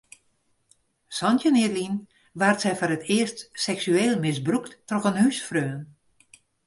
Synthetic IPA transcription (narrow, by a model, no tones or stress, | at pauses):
sɔntjənɪədlin | ʋartsɛjfoɾətʰɪəstsɛksyeːlˠmɪsbruktːrɔxənhysfrøːn